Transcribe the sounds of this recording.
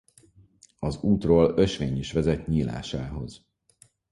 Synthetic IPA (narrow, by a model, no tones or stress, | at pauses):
ɒzuːt̪roːlø̞ʃʋeːɲiʃʋɛzɛt̪ɲiːla̰ːʃaːɦo̞̰z̥